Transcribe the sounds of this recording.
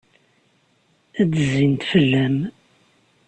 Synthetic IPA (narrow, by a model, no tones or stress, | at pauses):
ædəzint̪fəlːæm